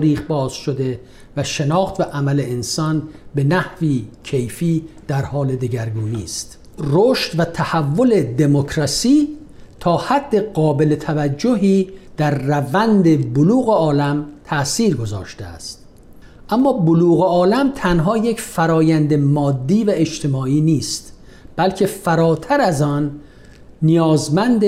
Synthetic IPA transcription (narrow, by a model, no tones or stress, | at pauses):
ɾiːχbɒːz̥ʃod̪e̞ | væʃe̞nɒːxt̪væʔæmæleensɒnbe̞næhviːcʰe̞jfiːd̪̥æɾhɒːle̞d̪eɟæɾɡuːniːst̪ | roːʃt̪væt̪ʰæhævːo̞le̞d̪e̞mokʰɾɒsiː | t̪ʰɒːhæd̪ːe̞ɢɒːbe̞let̪ʰævæd͡ʒːo̞ɦiːd̪̥æɾːævænd̪eboluːɣeɒːlæmt̪ʰæsiːɾɡo̞zɒ̰ːʃt̪eæ̰st̪̚ | ʔæmːɒːboluːɣeɒːlæmt̪ʰænɦɒːje̞cfæɾɒːjænd̪emɒːd̪ːiːvæet͡ʃt̪ʰe̞mɒːiːniːst̪ | b̥ælcʰe̞fæɾɒːt̪ʰæɾæzɒːnː | ijɒːzmænd̪e